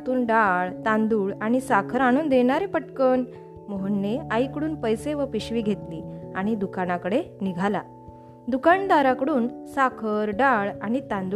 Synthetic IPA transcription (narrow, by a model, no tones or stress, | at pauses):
t̪uːnɖaɭt̪ãnd̪uːɭaɽ̃isakʰəɾaɽ̃uːnd̪eɽ̃aɾepəʈkən | məɦəɳːeaikəɽuːnpəjseʋəpiɕʋiːɡʱet̪liːaɽ̃id̪ukañakəɽeniɡʱala̰ | d̪ukaɳd̪aɾakəɽuːnsakʰəɾɖaɭaɽ̃it̪ãnd̪u